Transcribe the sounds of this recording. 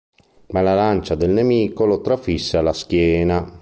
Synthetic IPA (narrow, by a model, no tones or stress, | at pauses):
malalant͡ʃad̪elnemiːkolot̪ɾafisːealːask̟jɛːna